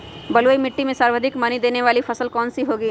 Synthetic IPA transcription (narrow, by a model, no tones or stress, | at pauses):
bɐloimɪʈːimẽsaːɾʋəd̪ʱɪkmɐnid̪eːneʋaːlifʰɐsəlkɔːnsiɦoːɡiː